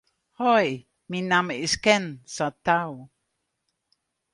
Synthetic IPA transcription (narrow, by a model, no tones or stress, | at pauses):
hɔj | minamiskɛnsat̪aw